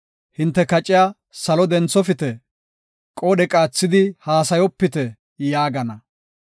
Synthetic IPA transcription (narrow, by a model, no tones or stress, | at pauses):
hɪnt̪ːɛkɐt͡ʃʼɪjaː | sɐlɔd̪ɛnt͡sːɔfɪt̪ɛ | kʼɔːɗɛkʼaːt͡sːɪd̪ɪhaːsɐjɔpːɪt̪ɛ | jaːɡɐnɐ